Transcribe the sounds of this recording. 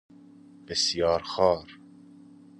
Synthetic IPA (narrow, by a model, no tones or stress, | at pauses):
b̥ɪsjɑːɾxɑːɾ